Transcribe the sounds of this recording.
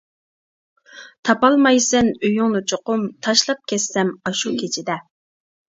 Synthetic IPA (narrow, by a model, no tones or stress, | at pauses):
t̪ʰɑpɑlˠmɑjsɛnøjyŋnut͡ʃʰoqʊmt̪ʰɑʃlˠɑp̚kʲʰɛsːɛmɑʃukʲʰet͡ʃʰid̪ɛ